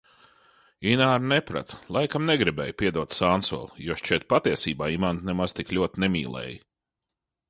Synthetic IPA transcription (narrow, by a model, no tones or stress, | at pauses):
inaːɾnɛpɾa̰t̪lˠajkamnɛɡɾibɛːjpʲiɛd̪uɔt̪saːnsɔ̰lˠjuɔʃt͡ʃiɛt̪̚pat̪iɛsiːbaːimant̪nɛmaz̥t̪iklʲuɔt̪nɛmʲiːlˠɛ̰ːji